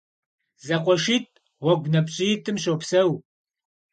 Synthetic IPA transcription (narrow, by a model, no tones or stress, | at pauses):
zɐqʷʼɔʃiːt̚ʰʼ | wɔɡʷnɐpɕʼɪtʰɨmɕowpsɐw